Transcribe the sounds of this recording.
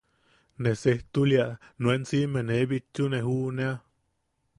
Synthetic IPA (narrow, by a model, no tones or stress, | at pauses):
neseht̪uljaʔnuensimenebit͡ʃuneɦuʔnea